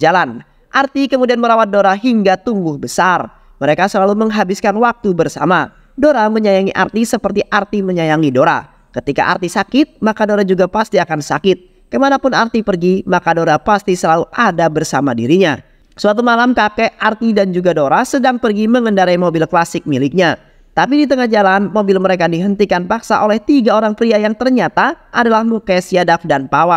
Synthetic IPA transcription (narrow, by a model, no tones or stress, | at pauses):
d͡ʒalan | ʔart̪ikəmudianməɾawat̪̚doɾaɦiŋɡat̪uŋɡʊhbəsar | məɾekasəlaluməŋɦabɪskanwak̚t̪ubərsa̰ma | doɾaməɲajaŋiʔa̰rt̪isəpərt̪iʔart̪iməɲajaŋidoɾa̰ | kət̪ika̰ʔa̰rt̪isakɪt̪̚makadoɾad͡ʒuɡapast̪iakansakɪt̪̚ | kəmanapʊnart̪ipərɡimakadoɾapast̪isəlauʔadabərsamadḭɾiɲa | səwat̪̬umalamkakɛʔart̪idand͡ʒuɡadoɾasədaŋpərɡiməŋəndaɾaimobɪlklasɪk̚milɪk̚ɲa | t̪ap̬idit̪̬əŋahd͡ʒalanmobɪlməɾekadiɦənt̪ikanpaksa̰ʔolɛht̪iɡaoɾaŋpɾiajaŋt̪ərɲat̪aʔadalahmukɛsiadafdanpawa